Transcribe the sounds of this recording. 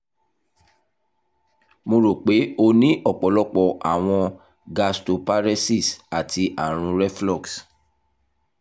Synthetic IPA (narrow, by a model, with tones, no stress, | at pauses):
mo˧ɾo˨k͡pe˨˦o˧nĩ˦ʔɔ˦˨k͡pɔ˨˦lɔ˦k͡pɔ˧˨ʔa˨w̃ɔ̃˧ | ɡa˧sto˨pa˦ɾɛ˦si˦˨sa˨tʰi˧ʔa˦˨ɾ̃ũ˧ɾɛ˦flɔ˦˨ks